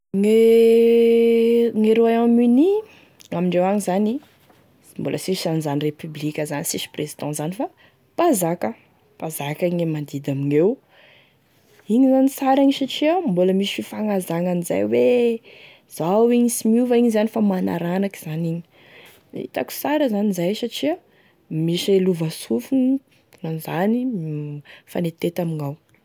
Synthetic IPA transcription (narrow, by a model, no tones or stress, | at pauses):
ŋe | ŋeɾoajamyni | amiɳɖ͡ʐewaŋizani | mbolʔəsisanizanirepyblikʲəzanisisi̥prezid̪ɑ̃zanifa | pazakə | pazakaiŋemand̪id̪amiŋew | iɲizanisaɾiŋiʃaʈ͡ʂiambuləmisi̥fifaŋazaŋaniza̰jwe | z̥awiŋisimuvaiɲizanifamana̰ɾanaki̥z̥aniɲi̥ | ḭt̪aku̥saɾəzanizajsaʈ͡ʂia | miʃeluvasufuŋ | nanzani | fanet̪et̪amiŋaw